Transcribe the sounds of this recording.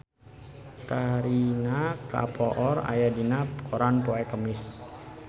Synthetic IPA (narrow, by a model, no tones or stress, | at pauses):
kaɾinaka̰pʰɔʔɔra̰jadinakɔɾanpɔɛkəmɪs